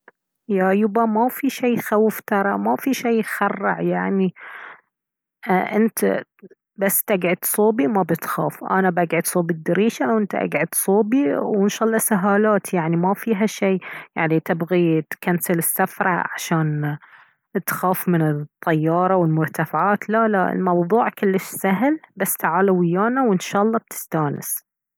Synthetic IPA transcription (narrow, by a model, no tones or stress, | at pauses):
jajʊbamafiʃeːxawft̪ɑɾˤɑmafiʃeːxɑrˤːɑ̰ʕjaʕni | ʔɪnt̪a̰ | basːt̪aɡʕɪd̪sˤuːbimabɪt̪xaːfʔa̰nabʔaɡʕɪd̪sˤuːbid̪ːɪɾiːʃaʔwʔɪnt̪aʔa̰ɡʕɪd̪sˤuːbiwɪnʃɑːʔɑlˤːɑsaɦaːlaːt̪jaʕnimafiːɦaʃeːjaʕnit̪ɪbɣit̪kansalɪsːafɾˤɑ̰ʕa̰ʃaːn | t̪xaːfmɪnɪt̪ˤːɑjːɑːɾˤɑwɪlmʊɾˤt̪afaʕaːt̪lala̰ɪ̰lmɑwðˤuːʕkʊlːɪʃsaɦɪlbasːt̪aʕaːlawɪjːaːnawɪnʃɑːʔɑlˤːɑb̚t̪ʰɪ̥st̪aːnɪ̰s